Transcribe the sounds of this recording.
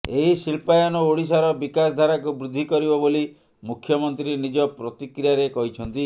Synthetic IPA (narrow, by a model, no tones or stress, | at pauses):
eɦisilpajanɔoɽis̬aɾɔbikasd̪ʱaɾakubɾud̪ʱːikɔɾibɔboli | mukʰjɔmɔnt̪ɾinid͡ʒɔpɾɔt̪ikɾijaɾekɔɦit͡ʃʰɔnt̪i